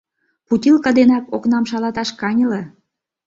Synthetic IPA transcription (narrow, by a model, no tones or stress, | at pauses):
put̪ʲilkɑd̪enɑkoknɑmʃɑlɑt̪ɑʃkɑnʲəle